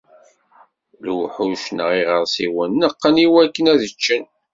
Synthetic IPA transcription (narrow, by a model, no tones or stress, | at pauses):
lwħuʃnəʁiʁəɾˤsiwənːəqːəniwælkːənæðət͡ʃːən